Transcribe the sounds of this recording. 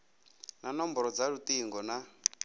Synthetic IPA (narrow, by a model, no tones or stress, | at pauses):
nanɔmbɔɾɔd͡zaɾut̪iːŋɡɔna